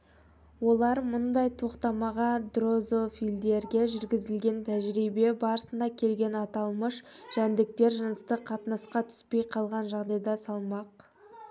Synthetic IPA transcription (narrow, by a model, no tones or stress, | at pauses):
wo̞lˠɑɾmʊnd̪ɑjt̪ʰo̞qt̪ɑmɑʁɑd̪ro̞zo̞fild̪e̞ɾɡʲe̞ʒʏɾɡʲɪzɪlɡʲe̞nt̪ʰæʒɾibe̞bɑɾəsənd̪ɑkʲʰe̞lɡʲe̞nɑt̪ɑlˠməʃ | ʒ̥ænd̪ɪk̚t̪e̞ɾʒənəst̪əqʰɑt̪nɑsqɑt̪ʰʏ̥spe̞jqʰɑlˠʁɑnʒɑʁd̪ɑjd̪ɑsɑlˠmɑq